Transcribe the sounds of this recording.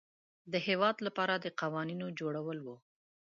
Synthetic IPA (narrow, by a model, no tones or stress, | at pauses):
d̪əhewɑd̪lapɑɾad̪əqawɑninod͡ʒoɽawəlwu